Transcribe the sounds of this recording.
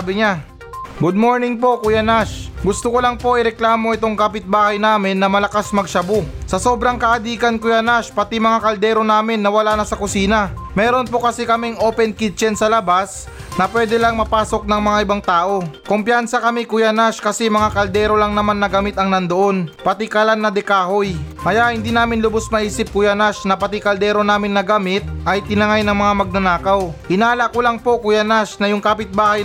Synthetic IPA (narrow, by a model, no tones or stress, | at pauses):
bɪɲa | ɡud̪̚mo̞ɹnɪŋpo̞kʊjanaʃɡʊst̪okolɐŋpo̞ʔɪɾɛklaːmo̞ʔɛt̪o̞ŋkapɪt̪̚baːhɐjnaːmɪnːɐmɐlɐkasmɐɡʃɐbosɐso̞ːbɾɐŋkɐʔɐd̪iːkɐnkʊjanaʃpɐt̪imɐŋakɐld̪ɛːɾo̞naːmɪnːɐwɐlaːnɐsɐkʊsiːnɐmɛːɾo̞npo̞kɐsɛkɐmɛŋʔoːpɛnkit͡ʃɛnsɐlɐbas | nɐpwɛːd̪ɛlɐŋmɐpaːso̞k̚nɐŋmɐŋaʔɪbaŋt̪aːʔo̞kompjansɐkɐmikʊjanaʃkɐsɛmɐŋakɐld̪ɛːɾo̞lɐŋnɐmanːɐɡamɪt̪ɐŋnɐnd̪oʔo̞npɐt̪ɪkalanːɐd̪ɛkaːhoj | kɐjaʔhɪnd̪iːnaːmɪnlʊbosmɐʔiːsɪp̚kʊjanaʃnɐpɐt̪ɪkɐld̪ɛːɾo̞naːmɪnːɐɡamɪt̪̚ʔɐjt̪ɪnɐŋajnɐŋmɐŋamɐɡ̚nɐnaːkɐwhɪnaːlɐʔkolaŋpo̞kʊjanaʃnɐjʊŋkaːpɪt̪̚baːhɐj